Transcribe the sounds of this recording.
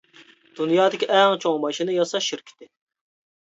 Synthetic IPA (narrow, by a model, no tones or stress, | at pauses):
d̪̥unjɑːd̪ɪkʲiʔɛŋt͡ʃʰoŋmɑʃinɨjɑsɑʃiɾkʲʰi̥t̪ɪ